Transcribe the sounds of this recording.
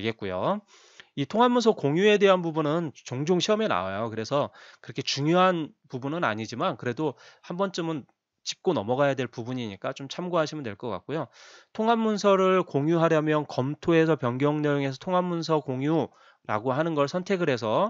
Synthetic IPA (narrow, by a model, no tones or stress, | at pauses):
ɡe̞t̚k͈ujo̰ | itʰoŋɦamːunsʰʌkoŋjue̞de̞ɦanbubunɯnt͡ɕoŋd͡ʑoŋɕʰiʌmena̰wajokɯɾe̞sʰʌkɯɾʌkʰe̞t͡ɕuŋjoɦanpubunɯna̰ɲid͡ʑimankɯɾe̞dohambʌnt͡ɕ͈ɯmɯn | t͡ɕi̥p̚k͈onʌmʌɡajadwe̞ɭpubuɲiɲik͈at͡ɕomt͡ɕʰamɡoɦaɕʰimɯndwe̞ɭk͈ʌk͈a̰k͈̚ojotʰoŋɦamːunsʰʌɾɯɭkoŋjuɦaɾjamjʌnkʌmtʰoe̞s̬ʰʌpjʌnɡjʌŋnejoŋe̞sʰʌtʰoŋɦamːuns̬ʰʌkoŋju | ɾa̰ɡoɦanɯnɡʌɭsʰʌntʰe̞ɡɯɾɦe̞s̬ʰʌ